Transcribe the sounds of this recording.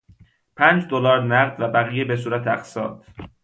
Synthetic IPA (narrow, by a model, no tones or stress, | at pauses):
pʰæːnd͡ʒd̪olɒːɾnæɣd̪væbæɣiːjebe̞s̬uːɾæt̪ʰeæqsɒːd̪̥